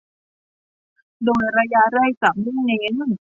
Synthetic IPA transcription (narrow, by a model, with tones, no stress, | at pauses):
doː˧˩jɾa˧jaː˧ɾa˥˩jka˨˩p̚ni˥˩ne˧˦n